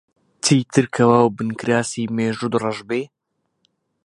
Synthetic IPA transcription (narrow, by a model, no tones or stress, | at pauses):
t̪ʰiːt̪ʰɨɾkʰɐwaːwbɨnkɾaːsiːmeːʒud̪rɐʒbeː